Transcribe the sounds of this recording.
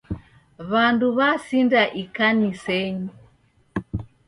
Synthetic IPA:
βanduβasindaʔikanisɛɲi

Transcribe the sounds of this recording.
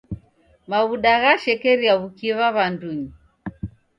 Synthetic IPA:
maβuɗaɣaʃɛkɛɾiaβukiβaβanduɲi

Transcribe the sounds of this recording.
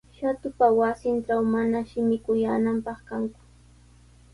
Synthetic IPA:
ʃat̪ʊpawasɪnʈ͡ʂawmanaʃɪmɪkʊjaːnampɑχkaŋkʊ̥

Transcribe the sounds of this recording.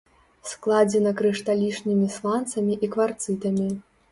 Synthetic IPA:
sklˠad͡zʲɛnɐkɾɨʂt̪alʲiʂnʲimʲislˠant̪sɐmʲiʔikvart̪sɨt̪ɐmʲi

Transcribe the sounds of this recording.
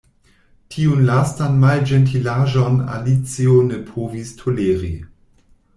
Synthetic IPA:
tʰiunlastanmald͡ʒentʰilaʒona̰lit͡sione̞pʰovistʰoleːɾḭ

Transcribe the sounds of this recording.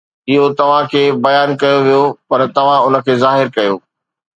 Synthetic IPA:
ɪɦot̪ɐʋ̤ãkʰeːbɐjaːnkɐjoʋijopɐɾt̪ɐʋ̤ãʊnə̆kʰeːzaːɦɪɾkɐjoː

